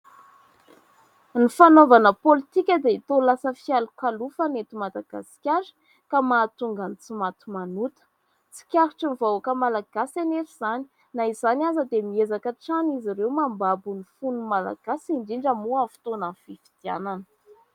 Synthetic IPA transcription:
nifanovanəpolit̪ikʲəd̪eit̪olasəfialukalufənet̪umad̪aɡ̥a̰si̥kʲaɾə̥ | kamaːt̪uŋɡanit͡simat̪umanut̪ə̥ | t͡si̥kʲaɾuʈ͡ʂənivawakəmalaɡ̥asaneɾiz̥ani̥ | naizanazəd̪emiezakəʈ͡ʂaniziɾewmambabunifunumala̰ɡ̥asiɳɖ͡ʐiɳɖ͡ʐəmuafi̥t̪onanfifi̥d̪̥ia̰nanə̥

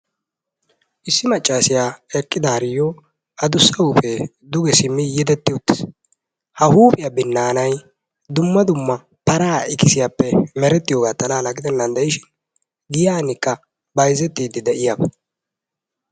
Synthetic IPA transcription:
ʔɪsːɪmɐt͡ʃʼːaːsɪjaːɛkʼːɪd̪ɐhɐɾɪjɔ | ɐd̪ʊsːɐwʊfɛ | d̪ʊɡɛsɪmːɪjɪd̪ɛt̪ːɪʊt̪ːɪ̥s | hɐhuːpɪjabɪnːaːnɐj | d̪ʊmːɐd̪ʊmːɐ | pɐɾaːɪkɪsɪjapːɛmɛɾɛt̪ːɪjoːɡaːt̪ːɐlaːlɐɡɪd̪ɛnːɐnd̪ɛɪʃɪn | ɡɪjaːnɪkːɐ | bɐjzɛt̪ːiːd̪ɪd̪ɛʔɪjabɐ

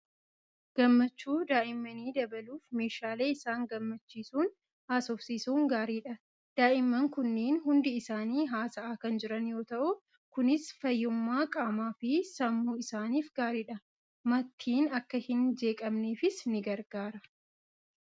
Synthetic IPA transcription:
ɡ̥ɐmːɐt͡ʃːuːd̪aːʔɪmːɐniːd̪ɐbɐluːfme̞ːʃaːle̞ːɪsaːŋɡɐmːɐt͡ʃːiːsuːn | haːsɔfsiːsuːŋɡaːɾiːᶑɐ | d̪̥aːʔɪmːɐŋkʊnːeːnhʊnd̪ɪɪsaːniːɦaːsɐʔaːkɐnd͡ʒɪɾɐnjo̞ːt̪ɐʔʊ | kʊnɪsfɐjːʊmːaːkʼaːmaːfɪsɐmːuːɪsaːniːfɡaːɾiːᶑɐ | mɐt̪ʰːiːnɐkːɐhɪnd͡ʒe̞ːkʼɐmneːfɪsnɪɡɐɾɡaːɾɐ

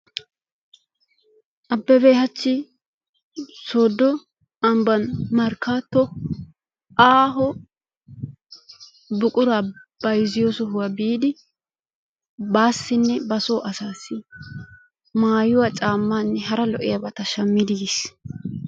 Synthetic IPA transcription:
ʔɐbːɛbejhɐt͡ʃːɪ | soːd̪ːɔ | ɐmbɐnmɐɾkʰːaːt̪ːɔ | ʔaːɦɔ | bʊkʼʊɾab̥ɐjzɪjoːsɔɦʊwɐbiːd̪ɪ | baːsːɪnːɛbɐsoːʔɐsaːsɪ | maːjʊwat͡ʃʼaːmːaːnːɛɦɐɾɐlɔʔɪjɐbɐt̪ɐʃɐmːɪd̪ɪɡɪs

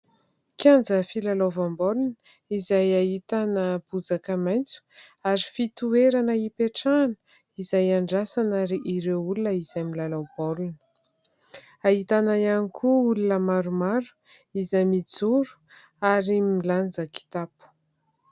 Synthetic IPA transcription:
kjand͡zəfilalavambolunə | izajaɦit̪anəb̥ud͡zakəmajnt͡su̥aɾifit̪ueɾanəipeʈ͡ʂanə̥ | izajaɳɖ͡ʐasanaɾiʔiɾewulunəiz̥ajmilalawb̥olunə̥ | aɦit̪anajanikʰuulunəmaɾumaɾu̥izamid͡zuɾu̥ | aɾimiland͡zəki̥t̪apu̥

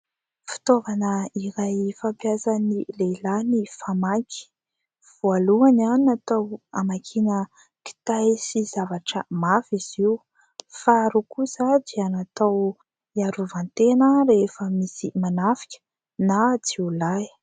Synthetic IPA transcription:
fi̥t̪ovanəiɾajfampjazanilelanifamaki̥ | v̥ualuananinat̪awa̰makʰinə | ki̥t̪ajsizavaʈ͡ʂəmafiz̥iw | faɾukusad͡ʒianat̪aw | iaɾuvant̪enəɾefəmisimanafi̥kʲə̥ | nat͡siulaj

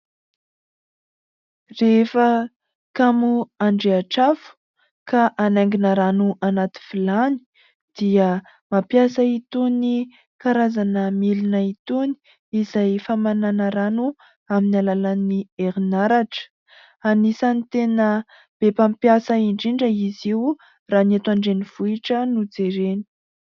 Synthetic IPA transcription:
refə | kamuaɳɖ͡ʐeaʈ͡ʂafu̥ | kaʔanaŋɡinəɾanuʔanat̪i̥filani̥ | d̪̥iə | mapjasait̪uni | kaɾazanəmilinait̪uni̥ | izajfamananaɾanu | aminalalanieɾinaɾaʈ͡ʂə̥ | anisanit̪enə | b̥epampjasəiɳɖ͡ʐiɳɖ͡ʐəiziu | raːnat̪aɳɖ͡ʐeniv̥uiʈ͡ʂənud͡zeɾeni̥

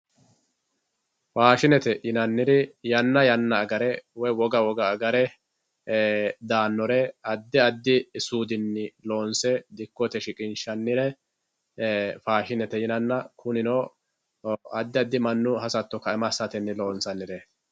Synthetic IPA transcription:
faːʃɪnɛt̪ɛʔɪnɐnːɪɾɪjɐnːɐjɐnːɐːɡɐɾɛwɔjwɔɡɐwɔɡɐːɡɐɾɛ | d̪aːnːɔɾɛɐd̪ːɪɐd̪ːɪːsuːd̪ɪnːɪlo̞ːnsɛd̪ɪkːɔt̪ɛʃɪkʼɪnʃɐnːɪɾɛ | faːʃɪnɛt̪ɛjɪnɐnːɐkʰʊnɪnoː | ɐd̪ːɪɐd̪ːɪmɐnːʊɦɐsɐt̪ːɔkɐɛmɐsːɐt̪ɛnːɪlo̞ːnsɐnːɪɾɛ

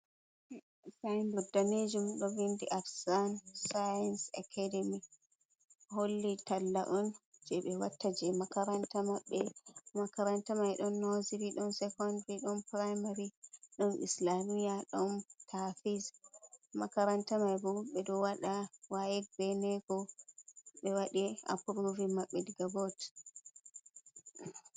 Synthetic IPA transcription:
sajnbɔdːaned͡ʒumɗɔvindiʔafsansajansakʰadɛmi | holːitalːa̰ʔɔnd͡ʒɛɓɛwatːad͡ʒɛmakaɾantamaɓːɛmakaɾantamajɗɔnːoziɾiɗɔnsɛkɔndɾiɗɔnpɾajmaɾiɗɔnʔḭslamijaɗɔntʰafismakaɾantamajbɔɓɛɗɔwaɗawajɛk̚bɛnɛɡɔ | ɓɛwaɗia̰pɾuvimaɓːɛdɡabot

